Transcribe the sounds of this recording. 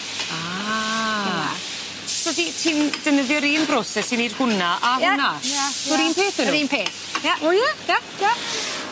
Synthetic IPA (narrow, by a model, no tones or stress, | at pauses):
a | soditʰiːnd̥ənəðjɔɾiːnbrosɛsiniːd̥hʊnaʔanaḁɔɾiːnpʰeːθənɾiːnpʰeːθ | jaɔjlaja | ja